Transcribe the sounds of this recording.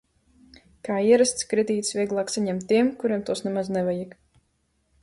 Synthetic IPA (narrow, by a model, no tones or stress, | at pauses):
kaːiɛɾast̪skɾɛd̪ʲiːt̪svʲiɛɡlˠaːksaɲɛmt̪ːiɛmkuɾiɛmt̪uɔsnɛmaznɛvajik